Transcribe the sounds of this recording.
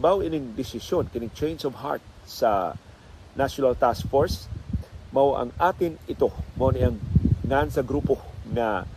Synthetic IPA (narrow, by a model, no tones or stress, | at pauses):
bawʔɪnɪŋd̪ɪsɪsjonkɪnɪŋt͡ʃɛjnsɔvha̰ɹt̪̚ | sɐ | naʃjonɐlt̪askfoɹs | mɐwʔɐ̰ŋʔaːt̪ɪnʔɪt̪o̞monɪʔɐŋŋansɐɡɾuːpoŋɐ